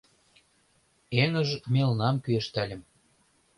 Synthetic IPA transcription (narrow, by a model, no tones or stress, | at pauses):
eŋə̆ʒmelnɑmkyeʃt̪ælʲə̆m